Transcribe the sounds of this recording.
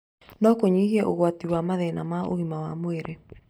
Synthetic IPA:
nɔkoɲiɣiɛʔoɣwatiwamaðɛnamao̰ɣimawa̰moeɾʔe

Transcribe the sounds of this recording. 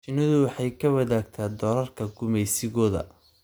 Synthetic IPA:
t͡ʃɪnɐðʊwɑħɑjkʰɐwɐðaːɡ̚t̪ʰaːd̪ɔːlɐrkʰɐɡʊmɛjsɪɣɔːðɐ̰

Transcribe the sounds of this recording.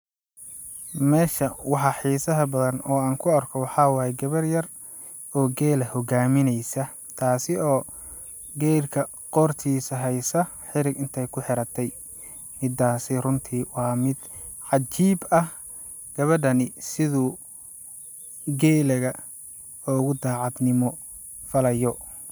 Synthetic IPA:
mɛːʃɐwɑħɑħiːsɐɦɐbɐðɐnɔːaːŋkʰʊɐrkʰɔwɑħɑwɑːjɛɡɐβɐrjɐr | ɔːɡɛːlɐhɔɡaːmɪnɛjsɐt̪ʰaːsɪɔː | ɡɛjlkʰɐ | qɔːrt̪ʰiːsɐɦɛjsɐ | ħɪɾɪɡɪnt̪ʰɛjkʰʊħɪɾɐt̪ʰɛj | mɪd̪aːsɪrʊnt̪ʰiwɑːmɪd̪̥ʕɑt͡ʃiːbɐh | ɡ̥ɐβɐɖɐnɪsɪðʊ | ɡɛːlɐɣɐ | ɔɣʊd̪aːʕɑd̪nɪmɔ | fɐlɐjɔ

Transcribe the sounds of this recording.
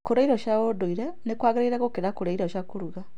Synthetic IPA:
kuɾaiɾoʃaodoiɾe | nekwaːɣeɾaiɾakokeɾakuɾaiɾoʃakuɾuɣa

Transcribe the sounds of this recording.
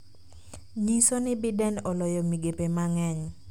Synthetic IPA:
ɲisonɪbɪdɛnɔlɔjɔmiɡepemaŋɛɲ

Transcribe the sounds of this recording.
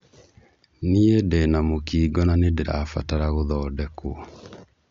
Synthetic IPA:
niedɛnamokiːɡɔnanedeɾa̰fa̰taɾaɣoðɔːdɛkoɔ

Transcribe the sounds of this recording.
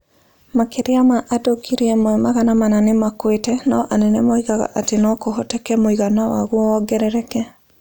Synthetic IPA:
makeɾeamaʔadokiɾeɛmoemaɣanamananemakwetɛnaʔanɛnɛmɔiɣaɣa̰ʔatenɔkohɔtɛkɛmoiɣanawa̰ɣuɔɔɡɛɾɛɾɛkɛ

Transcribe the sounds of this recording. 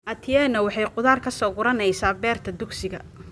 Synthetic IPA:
ʔɐt̪ʰɪjɛːnɐwɑħɑjqʊðaːrkʰɐsɔːɡʊɾɐnɛjsaːbɛːrt̪ʰɐd̪ʊɡsɪɣɐ

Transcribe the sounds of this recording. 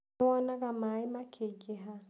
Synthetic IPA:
wɔnaɣamaemakʰeɡeɦa

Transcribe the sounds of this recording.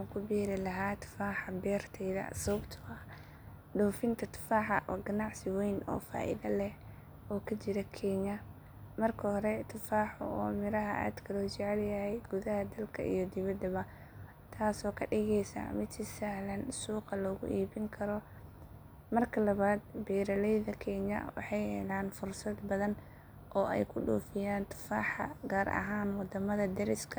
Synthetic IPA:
ħakʰʊbɛːɾɪlɐɦaːt̪ʰʊ̥faːħɑbɛːrt̪ʰɛjðɐ̰sʊbt̪ʰʊɐ | ɖuːfɪnt̪ʰɐt̪ʰʊ̥faːħɑ̰ʔɔːɡɐnɑʕsɪwɛjnɔ̰ːfa̰ːʔɪ̰ðɐlɛh | ɔːkʰɐt͡ʃɪɾɐkʰɛːɲɐ | mɐrkʰɐhɔɾɛt̪ʰʊfaːħʊ̰ɔːmɪɾɐɦɐ̰ʔa̰d̪kʰɐlɔːt͡ʃɛʕɛljɐhɛjɡʊðɐhɐd̪ɐlkʰɐ̰ʔḭjɞd̪ɪβɐd̪ɐβɐ | t̪ʰaːsɔːkʰɐɖɪɣɛjsɐ̰mɪd̪ɪsɐhlɐnsuːqɑlɔːɣʊ̰ʔiːbɪŋkʰɐɾɔ | mɐrkʰɐlɐβaːd̪̚bɛːɾɐlɛjðɐkʰɛːɲɐ̰wɑ̰ħɑjhɛ̰laːnfʊrsɐd̪bɐðɐn | ʔɔːʔɛ̰jkʰʊɖṵːfɪjaːnt̪ʰʊ̥faːħɐ̰ɡaːɾʔɐ̰ɦaːnwɑd̪ɐmɐðɐd̪ɐɾɪskʰɐ

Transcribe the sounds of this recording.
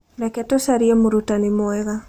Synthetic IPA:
dɛkɛtosaɾiɛmoɾutanimɔɛɣa

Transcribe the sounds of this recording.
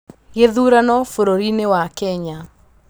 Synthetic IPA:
ɣeðuɾanɔfoɾoɾinewakɛɲa

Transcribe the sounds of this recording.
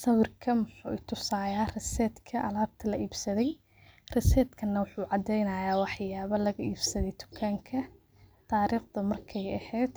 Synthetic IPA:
sɐwɪrkʰɐmʊħṵːɪt̪ʰʊsaːjaːrɐsɛːd̪kʰɐʔɐlaːb̚t̪ʰɐlɐʔiːbsɐðɛj | rɛsɛːd̪kʰɐnːɐwʊħuːʕɑd̪ɛjnɐjaːwɑħjaːβɐlɐɣɐʔiːbsɐðɛjt̪ʊ̥kʰːaːŋkʰɐ | t̪ʰaːɾiːχd̪ɐmɐrkʰɛjɛhɛːd̪̥

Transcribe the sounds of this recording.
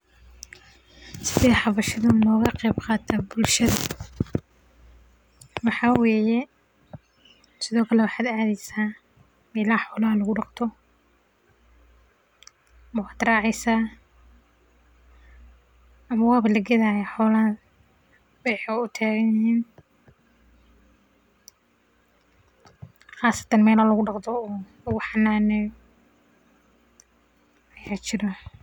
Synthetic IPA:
sɪ̥ðɛːħɑβɐʃɐðʊnɔːɣɐqɛjbqɑːt̪ʰabʊlʃɐðɐ | wɑħɑːweːjɛ | sɪðɔːkʰɐlɛwɑħɑːd̪aːðɛjsaː | mɛlaːħɔːlaːhɐlɐɣʊɖɑqt̪ʰɔ | mɐwɑːd̪rɑːʕɛjsaː | ʔɐmɐwɑːβɐlɐɡɛðaːjaħɔːlɐ | bɪɾɪħɛʊt̪ʰaːɣɐnnhiːn | χaːsɐ̥t̪ʰɐnmɛːlalɐɣʊɖɑqt̪ʰɔɔːlʊɣʊħɑnaːnɛ | ɐjaːt͡ʃɪɾɐ

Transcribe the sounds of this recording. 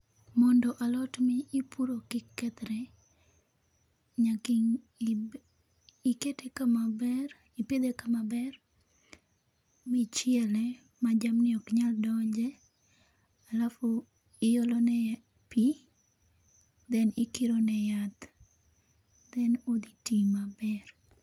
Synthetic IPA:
mɔndɔʔalɔtmiːpuɾokɪkːɛt̪ɾɛ | ɲakiŋ | iketekamabɛr | iped̪ekamabɛr | mɪt͡ʃɪɛlɛ | mad͡ʒamnɪɔkɲaldɔd͡ʒɛ | alafu | ɪjɔlɔnɛ | pi | d̪ɛnikiɾonɛjat̪ | d̪ɛnod̪itimabɛr

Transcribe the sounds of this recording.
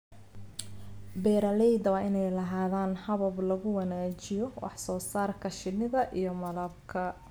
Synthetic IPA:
bɛːɾɐlɛjd̪ɐwɑːʔɪnɛjlɐɦaːðaːnhɐβɐblɐɣʊwɑnaːt͡ʃɪjɔwɑ̰ħsɔːsaːrkʰɐʃɪnɪðɐʔijɞmɐlɐb̚kʰɐ

